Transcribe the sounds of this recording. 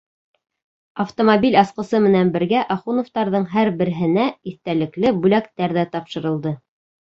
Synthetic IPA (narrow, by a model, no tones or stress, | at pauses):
ɐft̪omobilʲɑsqɤ̆sɤmɘ̆nænbɘ̆ɾɡæʔɑχunŏft̪ɑɾðɤɴɦæɾbɘ̆ɾɘɦɘ̆næiθt̪ælɘ̆klɘbʉlækt̪æɾðæt̪ɑpʃɤ̆ɾɤ̆lˠd̪ɤ